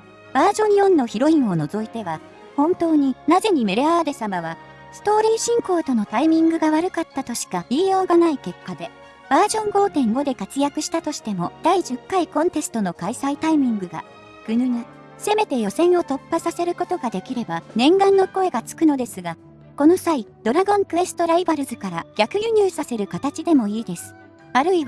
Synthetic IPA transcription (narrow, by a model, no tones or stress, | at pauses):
b̥aːʑõ̞ɲjõ̞nːo̞çiɾo̞ĩɰ̃o̞no̞zo̞it̪e̞βa | hõ̞nt̪o̞ːɲ̟inaze̞ɲ̟ime̞ɾe̞aβad̪e̞samaβ̞a | sɨ̥t̪o̞ːɾʲiːɕĩŋko̞ːt̪o̞no̞t̪aimʲĩŋɡɯ̟ɡaβaɾɯ̟kat̪ːat̪o̞ɕi̥kaiːjo̞ːɡanaike̞kːad̪e̞ | b̥aːʑõ̞ŋɡo̞ːt̪ẽ̞ŋɡo̞d̪e̞kat͡sɨjakɯ̟ɕi̥t̪at̪o̞ɕi̥t̪e̞mo̞d̪̥aiʑɨkːaikõ̞nt̪e̞sɨ̥t̪o̞no̞kaisait̪aimʲĩŋɡɯ̟ɡa̰ | ɡ̥ɯ̟nɯn | se̞me̞t̪e̞jo̞sẽ̞ɰ̃o̞t̪o̞pːasase̞ɾɯ̟ko̞t̪oɡad̪e̞kʲiɾe̞banẽ̞ŋɡãnːo̞ko̞e̞ɡat͡sɨ̥kɯ̟no̞d̪e̞sɨɡa | ko̞no̞said̪̥o̞ɾaɡõ̞ŋkɯ̟βe̞sɨ̥t̪o̞ɾaibaɾɯ̟zɨkaɾaɡ̥ʲakɯ̟jɯɲ̟ʲɯːsase̞ɾɯ̟kat̪at͡ɕid̪e̞mo̞iːd̪e̞sɨ̥ | aɾɯ̟iβ